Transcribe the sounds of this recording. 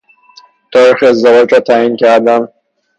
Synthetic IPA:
t̪ʰɒːɾixeːzd̪evɒːd͡ʒɾɒːt̪ʰæincʰæɾd̪æn

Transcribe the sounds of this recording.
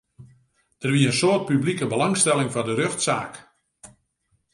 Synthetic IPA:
d̥ərʋiəənsoət̚pyblikəbəlɑŋstɛlɪŋfɔdərøxtsa̰ːk

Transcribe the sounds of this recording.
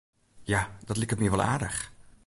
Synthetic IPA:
jad̥ɔtlikət̚miəʋɔlˠa̰ːdəx

